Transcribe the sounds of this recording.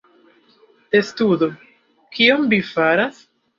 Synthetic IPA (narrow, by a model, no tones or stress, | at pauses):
estudo | kʰiomvifaɾas